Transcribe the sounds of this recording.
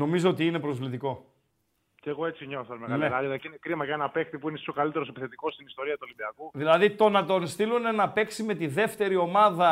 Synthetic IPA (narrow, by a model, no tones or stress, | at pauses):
no̞mizoot̪iine̞pɾo̞zvlit̪iko̞ | ceɣo̞e̞t͡siɲoθɐlmekɐnelaloɐcinekɾimɐʝɐenɐpe̞kt̪ipuinesi̥okɐlit̪e̞ɾo̞sepiθe̞t̪iko̞st̪inist̪o̞ɾiɐt̪uolibiɐkuðilɐðit̪o̞nɐt̪o̞nst̪ilunenɐpe̞ksime̞t̪iðe̞ft̪e̞ɾio̞mɐðɐ